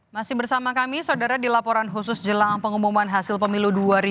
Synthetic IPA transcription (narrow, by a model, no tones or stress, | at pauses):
masɪhbərsamakamisawdaɾadilapɔɾanɦusʊsd͡ʒəlaŋpəŋumumanɦasɪlpəmiluduaɾi